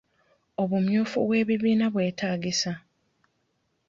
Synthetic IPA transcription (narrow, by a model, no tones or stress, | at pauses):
o̞βumjuːfṵβwe̞ːβiβiːnaβwe̞ːtaːɡisa